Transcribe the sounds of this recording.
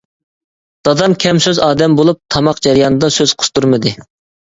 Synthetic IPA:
d̪̥ɑd̪ɑmkʲʰɛmsøzɑːd̪ɛmbolˠup̚t̪ʰɑmɑqd͡ʒɛɾijɑːnɨd̪ɑsøz̥qʰʊ̥st̪uɾmɨd̪ɨ

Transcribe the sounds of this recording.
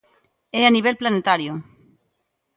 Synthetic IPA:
eaniβelplanet̪aɾjo

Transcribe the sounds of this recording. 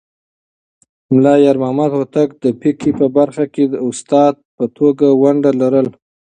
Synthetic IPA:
mlɑjaɾmɑmad̪wat̪aɡ̚d̪əpikipəbaɾxaked̪əʊst̪ɑd̪̚pət̪ʰoɡawaɳɖalaɾəl

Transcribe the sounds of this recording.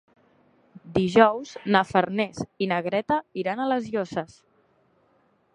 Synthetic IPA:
d̪iʒɔwznəfəɾnezinəɣɾɛt̪əiɾanələzjozəs

